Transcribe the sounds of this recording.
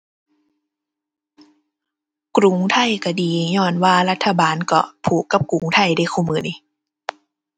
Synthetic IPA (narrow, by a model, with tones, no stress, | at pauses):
kɾu˨˦ŋt̪ʰa˧˥˨jka˧˩diː˨˦ɲɔː˧˩nwaː˧˨la˧˩t̪ʰːa˧˩baː˨˦nkɔ̰˧˩pʰuː˨˩kːa˧˦p̚ku˨˦ŋt̪ʰa˧˥˩jda˧˥˩jxʰuː˧˩˨mɯː˨˧˦ni˧˩